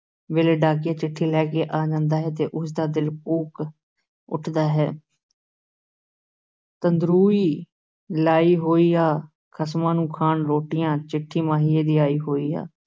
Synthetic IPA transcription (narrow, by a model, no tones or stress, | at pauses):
ʋeːleːɖaːkɪjãːt͡ʃɪʈʰːiːlɛːkeːʔaːd͡ʒãːnd̪aːɦɛːt̪eːʔʊsd̪aːd̪ɪlpuːk | ʊ̰ʈʰd̪aːɦɛ̰ː | t̪ə̃nd̪ɾuːiː | laːiːɦoːiːaː | kʰəsmãːnũːkʰaːnɾoːʈɪjãːt͡ʃɪʈʰːiːmaːɦiːeːd̪iːaːiːɦoːiːa̰ː